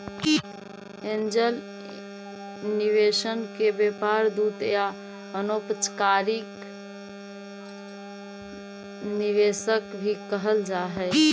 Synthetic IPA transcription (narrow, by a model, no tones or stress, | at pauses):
end͡ʒəl | niʋesənkebepaɾd̪ut̪ja | ənopət͡ʃkaɾik | niʋesəkbʱikəɦəld͡ʒaɦɛ